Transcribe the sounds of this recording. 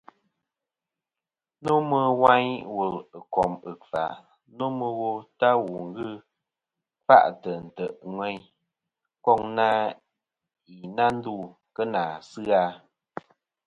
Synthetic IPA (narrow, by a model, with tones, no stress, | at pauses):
nu˦mə˦wa˦ɲwu˨lɨ˨kɔ˨mɨ˨fa̰˨ʔ | nu˦mə˦ɣo˦ta˦wu˨ŋ̩˦ɡɨ˦ | fa̰˦˨ʔtə˨n̩˨tə˨ʔŋwɛ˦ɲ | kɔ˦˨ŋna˦ | i˨na˦n̩˦du˦˨ | kə˦na˨sɨ˦a˦